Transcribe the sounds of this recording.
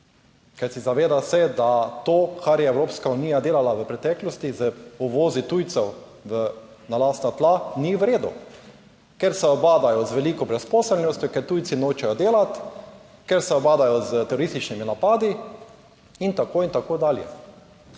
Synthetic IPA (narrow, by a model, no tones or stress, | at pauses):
kajsizaʋeːd̪asɛd̪at̪oːkʰaɾjɛɛwɾoːpskauniːjad̪eːlalaʋəpɾɛt̪ɛklɔst̪izəuʋoːzit̪ujt̪sɛwʋə | nalaːst̪nat̪laniʋɾeːd̪ṵ | kɛɾsɛɔbaːd̪ajɔzʋɛliːkɔbɾɛspɔːsɛlnɔst̪jɔkɛɾt̪ujt̪sinoːt͡ʃɛjɔd̪eːlat̪ | kɛɾsɛɔbaːd̪ajɔzət̪ɛɾoɾist̪it͡ʃniminapaːd̪i | int̪akoːint̪akoːd̪aːljɛ̰